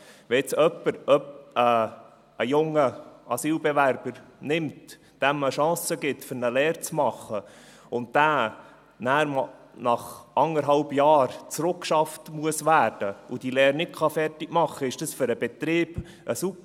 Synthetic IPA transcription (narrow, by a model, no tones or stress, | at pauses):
ʋɛt͡sœpːəɾœpə | əjʊŋːəɑsiːlbɛʋæɾb̥əɾnɪmt | d̥æməʃɑ̃ːsəɡɪtfʏɾnəlɛːɾt͡smɑχːə | ʊntd̥æː | næːɾm | nɑχɑŋəɾɦɑlbjɑːɾt͡sɾʊkʃɑftmuəsʋæːɾd̥əud̥ilɛːɾnɪt̚kʰɑfɛrtɪɡ̥mɑχːəɪʃd̥ɑsfʏɾəbɛt̪ɾɪːb̥ | ʔəsup